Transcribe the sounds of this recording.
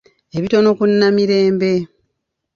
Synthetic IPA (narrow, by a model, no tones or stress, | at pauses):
eβitono̞kunːamiɾe̞ːmbe̞